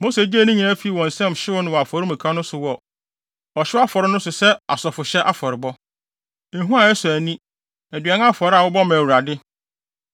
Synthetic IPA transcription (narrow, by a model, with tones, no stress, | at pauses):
mo˦se˨d͡ʑi˦æ˦nʊ̃˦ɲĩ˨nã˦fi˨˦i˨wɔ̃˨n̩˨sɛ̃˦˨m˨ɕɪ˦wʊ˦nʊ̃˨wɔ˨a˨fɔ˨ɾɪ̃˦mĩ˨kʰã˦nʊ̃˦sʊ˨wɔ˦ | ɔ˨ɕɪ˦a˦fɔ˨ɾɪ˦nʊ̃˦sʊ˨sɛ˦a̰˨sɔ˨fʊ˨ɕɛ˦ʔa˦fɔ˨ɾɪ˨bɔ̃˦˨ | ɦũ˦a˨ɛ˦sʊ˨æ˨nĩ˦ | æ˨dɥɛ˨n˦a˦fɔ˨ɾɪ˦a˨wʊ˦bɔ˦mã˨wu˨ɾa˨dɪ˦